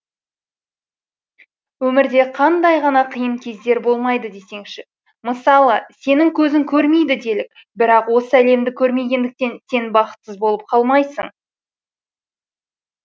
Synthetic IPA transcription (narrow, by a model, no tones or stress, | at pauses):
wɵmɪɾd̪e̞qʰɑnd̪ɑjʁɑnɑqʰəjəmkʲʰe̞zd̪e̞ɾbo̞lˠmɑjd̪əd̪e̞se̞ŋʃɪ | məsɑlˠəse̞nɪŋkʲʰɵzɪŋkʲʰɵɾme̞jd̪ɪd̪e̞lɪk̚ | bɪɾɑqwo̞səæle̞md̪ɪkʲʰɵɾme̞ɡʲe̞nd̪ɪk̚t̪e̞nse̞nbɑqə̥t̪səzbo̞lˠəp̚qʰɑlˠmɑjsə̰ɴ